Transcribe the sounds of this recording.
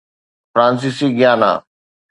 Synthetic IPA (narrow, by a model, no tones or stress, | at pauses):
fɾaːns̬iːsiːɡɪjaːnã̰ː